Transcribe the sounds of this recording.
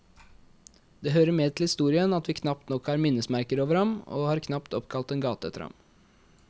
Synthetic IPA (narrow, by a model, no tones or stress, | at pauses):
d̪̥eːɦøːɾəmeːd̪̚t̪l̩hɪst̪uːɾɪənɑt̪ʋiːkʰnɑp̚t̪nɔkhɑːɾmɪnːəsmæɾkəɾoːʋəɾhɑmo̰ːhɑːɾkʰnɑpt̪ɔpkʰɑlt̪ɛːnɡɑːt̪əɛ̰t̪ːəɾhɑ̰m